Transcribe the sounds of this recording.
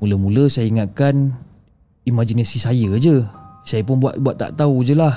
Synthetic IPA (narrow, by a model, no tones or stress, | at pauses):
uləmũləsajaiŋat̪̚kan | imad͡ʒinasisajəd͡ʒəsajəp̬ʊnbua̰ʔ̪̚buat̪ːa̰ʔt̪aud͡ʒəlah